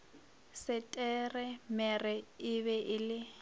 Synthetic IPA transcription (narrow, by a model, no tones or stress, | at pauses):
sɪtʼɛrɛmɛrɛɪβɛʔɪlɪ